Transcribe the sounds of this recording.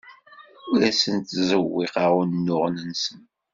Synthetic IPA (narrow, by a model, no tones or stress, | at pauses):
ʊɾæsənt̪zəwːiqaʁunnːʊʁnənsən